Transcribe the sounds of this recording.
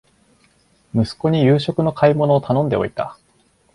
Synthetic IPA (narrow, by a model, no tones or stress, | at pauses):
mɯ̟sɨ̥ko̞ɲ̟ijɯ̟ːɕo̞kɯ̟no̞kʰaimo̞no̞ːt̪ʰanõ̞nd̪e̞o̞̰it̪a̰